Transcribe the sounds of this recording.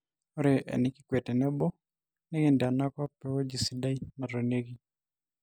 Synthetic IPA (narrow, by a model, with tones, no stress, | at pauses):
ɔ˦ɾe˨ʔɛ̰˨nɪ˨kɪ˦kwe˨tɛ˨nɛ˦bɔ˦ | ne˦ɡɪ˦ndɛ˨a˨na˦kɔ˦pɛ˦wɔ˦d͡ʒi˨si˨da˦i˦ma˨ɾo˨ne˦ɡi˦